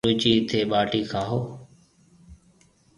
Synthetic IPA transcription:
uːt͡ʃiːt̪ʰeːɓaːʈiːkʰaːɦoː

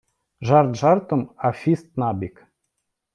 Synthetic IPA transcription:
ʒɑrt̪ʒɑrt̪əmafʲist̪̚nɑbik

